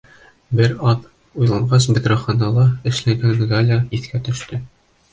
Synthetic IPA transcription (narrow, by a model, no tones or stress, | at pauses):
bɘɾɑð | ujlˠɑɴɢɑsbɘ̆d̪ɾɑ̆χɑnɑlˠɤɘ̆ʃlæŋɡænɡɑlʲaiθkæt̪ɵ̆ʃt̪ɘ